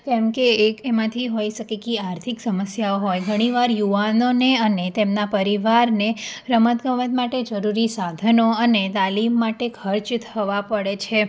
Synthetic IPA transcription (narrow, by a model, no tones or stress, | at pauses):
kɛ̃mkeːkemãt̪ʰiɦoiʃəkekiaɾt̪ʰiksəməsjaoɦojɡʱəɽ̃iʋaɾjuʋanoneənet̪emnapəɾiʋaɾneɾəmət̪ɡəʋət̪maʈed͡ʒəɾuɾisad̪ʱənoənet̪alimːaʈekʰəɾt͡ʃt̪ʰəʋapəɽet͡ʃʰe